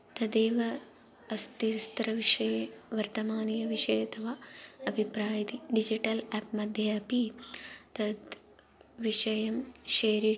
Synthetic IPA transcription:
t̪ɐd̪eːʋɐ | ɐst̪iɾst̪ɾɐʋiʂɐjɐʋɐɾt̪ɐmaːnijɐʋiʂɐjɐt̪ʰɐʋaɐbʱipɾaːjɐt̪iɖid͡ʒiʈɐlaːp̚mɐd̪ʱjɐːpit̪ɐd̪ | ʋiʂɐjɐmʃeːɾi

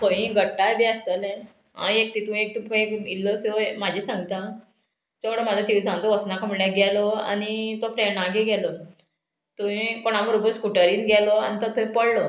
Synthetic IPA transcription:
poĩɡʱəʈːabiəst̪əlɛ̃ | ɦa̰ek̚t̪it̪uĩek̚t̪upoekilːɔsomad͡ʑʱisãŋɡt̪a | t͡ɕɔkɽəmad͡zɔt̪iʋsãnt͡sɔʋəsnakəmɽaɡɛlɔa̰nit̪ɔfɾɛɳãɡeɡɛlɔ | t̪uĩkoɽ̃aməɾobəskuʈəɾiːnɡɛlɔa̰ñit̪ɔt̪ʰoĩpəɽlɔ

